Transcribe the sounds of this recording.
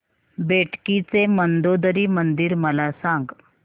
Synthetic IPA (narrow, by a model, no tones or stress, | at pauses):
beʈʰkit͡semənd̪od̪ɾiːmənd̪iːɾməlasãŋɡ